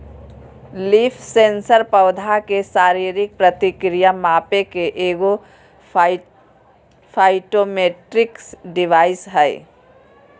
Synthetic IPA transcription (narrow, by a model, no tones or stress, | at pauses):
lipʰseːnsəɾpəʊd̪ʱakesaːɾiːɾɪk̚pɾət̪ɪkɾijamaːpekeʔeːɡo | pʰaɪʈomeːʈɾɪksɖɪʋaːɪsɦɛɪ